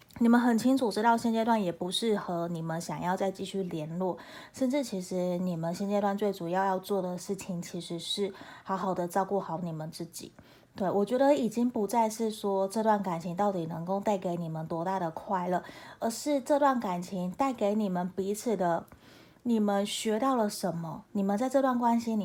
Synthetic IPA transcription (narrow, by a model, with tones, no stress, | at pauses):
ni˨˩mə˧˦nxə˨˩nt͡ɕʰi˥ŋʈ͡ʂʰu˨˩ʈ͡ʂɻ̩˥t̪ɑ˥˩˧ʊɕjɛ˥˧nt͡ɕjt̪wa˥˩njɛ˨˩pu˧˥ʂɻ̩˥˩xɤ˧˥ni˨˩mə˦nɕjɑ˨˩ŋjɑ˥˧ʊt͡sa˥˧ɪt͡ɕi˥˧ɕy˥˩ljɛ˧˥nlwɔ˥˩ | ʂə˥˧nʈ͡ʂɻ̩˥˩t͡ɕʰi˧˥ʂɻ̩˧˥ni˨˩mə˨˦nɕjɛ˥˧nt͡ɕjt̪wa˥˧nt͡swe˥˩ɪʈ͡ʂu˨˩jɑ˥˧ʊjɑ˥˧ʊt͡swɔ˥˩d̪ə˩ʂɻ̩˥˩t͡ɕʰi˨˩ŋt͡ɕʰi˧˥ʂɻ̩˧˥ʂɻ̩˥˩xɑ˧˥ʊxɑ˨˩ʊd̪ə˦t͡sɑ˥˧ʊku˥˩xɑ˧˥ʊni˨˩mə˦nt͡sɹ̩˥˩t͡ɕḭ˨˩˦ | t̪we˥˩ɪwɔ˨˩t͡ɕɥɛ˧˥d̪ə˧i˨˩t͡ɕi˥ŋpu˧˥t͡sa˥˧ɪʂɻ̩˥˩ʂwɔ˥ʈ͡ʂɤ˥˧t̪wa˥˩nka˨˩nt͡ɕʰi˧˥ŋt̪ɑ˥˩ʊt̪i˨˩nɤ˧˥ŋko˥˧ʊt̪a˥˩ɪke˧˥ɪni˨˩mə˦nt̪wɔ˧˥t̪a˥˩d̪ə˩kʰwa˥˧ɪlə˥˩ə˧˥ʂɻ̩˥˧ʈ͡ʂɤ˥˧t̪wa˥˩nka˨˩nt͡ɕʰi˧˥ŋt̪a˥˩ɪke˧˥ɪni˨˩mə˨˦npi˧˥t͡s̩ʰ˨˩d̪ə˦ | ni˨˩mə˦nɕɥɛ˧˥t̪ɑ˥˩ʊlə˩ʂə˧˥nmə˧ni˨˩mə˨nt͡sa˥˧ɪʈ͡ʂɤ˥˧t̪wa˥˩nkwa˥nɕi˧n˨